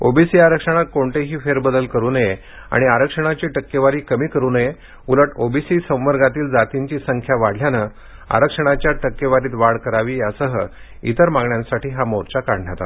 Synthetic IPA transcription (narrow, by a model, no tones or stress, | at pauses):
obisiːaɾəkʂəɽ̃akoɳʈeɦiːfeɾbəd̪əlkəɾuːnəje | a̰ɽ̃iaɾəkʂəɽ̃at͡ɕiʈəkːeʋaɾiːkəmiːkəɾuːnəje | uləʈobisisə̃w̃ʋəɾɡat̪iːld͡zat̪iɲt͡ɕiːsəŋkʰjaʋaɽ̤ʱljanə | a̰ɾəkʂəɽ̃at͡ɕjaʈəkːeʋaɾiːt̪ʋaɽkəɾaʋiːəsəɦə | ḭt̪əɾmãŋɡɳjãnsaʈiːɦamoɾt͡ɕakaɾɳjat̪a̰t̪